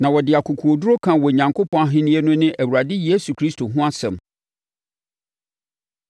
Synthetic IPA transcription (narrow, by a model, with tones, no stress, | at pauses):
nã˨wɔ˨dɪ˨a˨kʰu˨kʰu˨o˨du˦ɾo˦kʰã˨wɔ˨ɲã˨ŋkʰo˦pʰɔ̃˦a˦ɦɪ̃˦nĩ˦e˦nʊ̃˦nɪ̃˦ʔæ˨wu˨ɾa˨dɪ˦jeː˦su˨kʰɾi˦stʰo˨ɦʊ̃˦a˦sɛ̰̃˨m